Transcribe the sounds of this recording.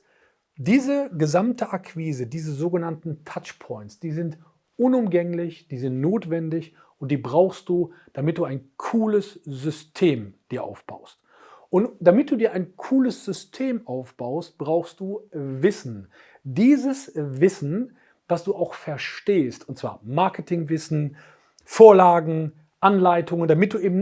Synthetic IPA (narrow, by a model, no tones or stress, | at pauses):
diːzəɡəzamtʰəʔakʰv̥iːzədiːzəzoːɡənantn̩tʰat͡ʃpʰɔʏntsd̥iːzɪnt | ʔʊnʊmɡɛŋlɪçd̥iːzɪntnoːtv̥ɛndɪç | ʔʊnt̚d̥iːbʁaʊxst̚d̥uːd̥amɪt̚d̥uːaɪnkʰuːləszʏstʰeːmd̥iːɐʔa̰ʊfb̥a̰ʊst | ʔʊntd̥amɪt̚d̥uːdiːɐʔaɪnkʰuːləsz̥ʏstʰeːmʔaʊfb̥aʊst̚b̥ʁaʊxst̚d̥uːvɪsn̩ | diːzəsvɪsn̩ | d̥asd̥uːaʊxfɛɐʃteːstʊntt͡sv̥a̰ːɐmaɐkətʰɪŋvɪsn̩ | foːɐlaːɡŋ̩ | ʔanlaɪtʰʊŋəndamɪt̚d̥uːʔeːbm̩